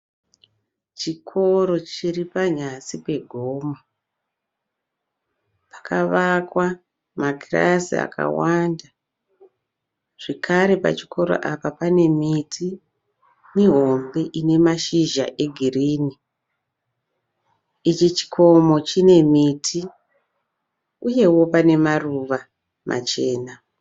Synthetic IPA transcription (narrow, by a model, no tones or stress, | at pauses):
t͡ʃikʰo̞ɾo̞t͡ʃiripaɲasipe̞ɡʱoːmo | pḁkʰaʋakwa | maɡira̰sḭa̰kʰa̰wanda | ʐ̥ekaɾe̞pa̰t͡ʃi̥kʰo̞ɾo̰ʔapapane̞mitʰi | neɦo̞mbeʔine̞maʃiʒa̰ʔe̞ɡʱiriːni | it͡ʃit͡ʃi̥kʰo̞mo̞t͡ʃine̞mitʰi | uje̞wo̞pane̞maruʋa | mʔa̰t͡ʃe̞ːna